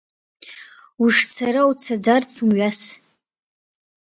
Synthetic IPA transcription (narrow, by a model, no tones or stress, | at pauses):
uʂt͡sʰaɾawt͡sʰad͡zart͡sʰumɥas